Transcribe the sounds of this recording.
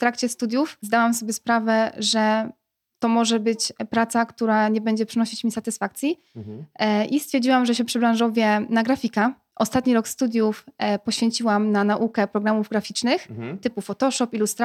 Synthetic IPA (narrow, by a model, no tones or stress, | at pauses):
ft̪ɾakt͡ɕɛst̪ud̪ʲjufzd̪awams̬ɔbʲjɛspɾavɛʐɛ | t̪ɔmɔʐɛbɘt͡ɕpɾat̪sakt̪uɾaɲɛbɛɲd͡ʑɛpʂɨnɔɕit͡ɕmʲisat̪ɘsfakt̪sʲji | ʔist̪ʲɛɾd͡ʑiwamʐɛɕɛpʂɘbɾãw̃ʐɔvʲjɛnaɡɾafʲika | ʔɔst̪at̪ɲiɾɔkst̪ud̪ʲjufpɔɕfʲjeɲt͡ɕiwamnanaʔukɛpɾɔɡɾamuvɡɾafʲit͡ʂnɘxt̪ɘpufɔt̪ɔʂɔpilust̪ɾ